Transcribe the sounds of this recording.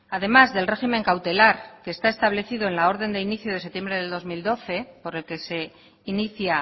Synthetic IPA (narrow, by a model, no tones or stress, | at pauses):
aðe̞mazðe̞lre̞ximẽ̞ŋkawt̪e̞laɾke̞ːst̪ae̞st̪aβle̞θiðo̞e̞nlao̞ɾðe̞nd̪e̞iniθjoð̞e̞se̞t̪je̞mbɾe̞ðeld̪o̞zmild̪o̞θe̞po̞ɾe̞lke̞se̞ | iniθja